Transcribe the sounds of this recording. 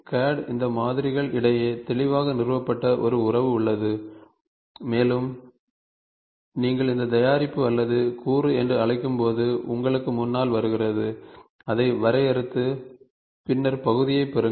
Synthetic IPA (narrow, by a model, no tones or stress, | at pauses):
kaːɖɪnd̪ɐmaːðɪɾɪɣɐɭɪɽɐjeːt̪ɛɭɪʋaːɣɐnɪrʋɐpːɐʈːɐʔɔɾɯʊrɐʋɯʊɭːɐðɯ | eːlɯm | niːŋɡɐɭɪnd̪ɐt̪ɐjaːɾɪpːɯɐlːɐðɯkuːɾɯɛndrɯɐɭɐɪkːɯmpoːðɯʔʊŋɡɐɭɯkːɯmʊnːaːlʋɐɾɯɣɪrɐðɯ | ɐðɐɪʋɐɾɐjɐɾɯt̪ːɯ | pɪnːɐɾpɐɣɯðɪjɐɪpːɛɾɯ